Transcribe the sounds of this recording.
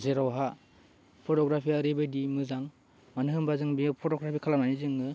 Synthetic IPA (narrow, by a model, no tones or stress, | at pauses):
zeɾawɦa | pʰɔtɔɡɾapʰiaɾibɯdimɯzaŋ | manɯɦɯmbazɯŋbipʰotɔɡɾapʰikʰalananizɯŋɯ